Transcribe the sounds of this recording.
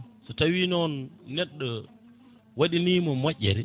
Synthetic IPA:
sɔtawinɔnːɛɗːɔ | waɗiniːmɔmaʔːɛ̰ɾɛ

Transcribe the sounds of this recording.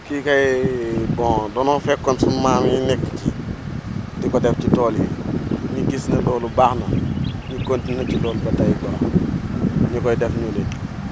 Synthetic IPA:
kikɐjbɔ̃dɔnɔfɛkːɔnsumaːmjinɛkːci | dikɔdɛfcitɔːliɲiɡisnɐlɔːlubaxnɐɲikontinɐcilɔːlubɐtɐjbɔx | ɲikɔjdɛfɲule

